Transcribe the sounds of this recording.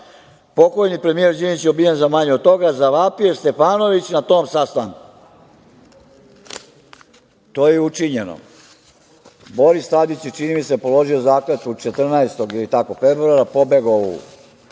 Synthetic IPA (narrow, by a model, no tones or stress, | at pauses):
po̞ko̞jnipɾe̞mije̞ɾd͡ʑinit͡ɕeobijenzamaɲeod̪̚t̪o̞ɡazaʋaːpiost̪e̞faːno̞ʋit͡ɕnat̪o̞ːmsast̪aŋku̥ | t̪oːjeut͡ʃiɲe̞no̰ | bo̞ɾist̪ad̪it͡ɕet͡ʃinimiseapo̞lo̞ʒiozaːklet̪ut͡ʃe̞t̪r̩naest̪o̞ɡilit̪ako̞fe̞bɾuaɾapo̞beɡoṵ